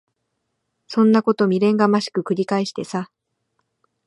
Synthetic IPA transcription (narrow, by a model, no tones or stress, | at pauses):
sõ̞nːako̞t̪o̞mʲiɾẽ̞ŋɡamaɕi̥kɯ̟kɯ̟ɾʲikaeɕi̥t̪e̞sa